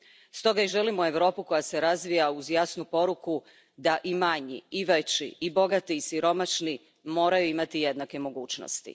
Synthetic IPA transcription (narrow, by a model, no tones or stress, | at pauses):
st̪o̞ɡaiʒe̞limoe̞ʋɾo̞ːpuko̞jase̞ɾazʋijauzjaːsnupo̞ɾuku | d̪aʔimaɲḭiʋet͡ɕḭibo̞ɡat̪iːsiɾo̞maʃni | mo̞ːɾajuimat̪ije̞d̪nakemo̞ɡuːt͡ʃno̰st̪ḭ